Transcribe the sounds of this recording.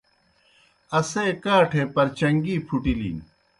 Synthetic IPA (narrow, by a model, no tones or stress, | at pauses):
ɐseːkaːʈʰeːpɐɾt͡ɕɐŋɡiːpʰuʈilḭːn